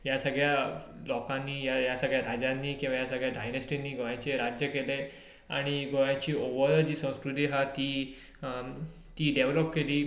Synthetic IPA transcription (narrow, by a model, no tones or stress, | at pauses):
jasəɡɭjalɔkãnːiːjajasəɡɭjaɾad͡ʑãnːiːkĩw̃ʋajasəɡɭjaɖajnesʈinːiːɡʱojãt͡ɕeɾad͡ʑjəkele | a̰ɽ̃iɡʱojãt͡ɕiːoʋəɾd͡ʑiːsə̃w̃skɾut̪iɦat̪i | t̪iːɖeʋləpkeliː